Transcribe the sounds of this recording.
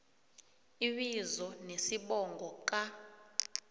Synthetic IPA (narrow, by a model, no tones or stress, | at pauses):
iɓizɔnesiɓɔŋɡʱɔk̬ʼa